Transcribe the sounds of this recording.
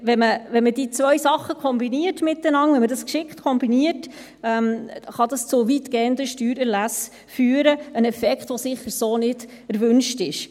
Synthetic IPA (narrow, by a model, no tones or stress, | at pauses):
ʋɛnməʋɛnmədit͡svʋœɥsɑχːəkʰɔmbiniərtmɪtːənɑŋvɛnmədɑskʃɪktkʰɔmbiniət | ɛmχɑdɑst͡sʊʋitɡ̥ɛːəndəʃtyːɾæɾlæs | fyːɾəənɛfɛkχt̪ʋosɪχəɾsoːnɪd̥ | æɾvʏnʃtɪʃ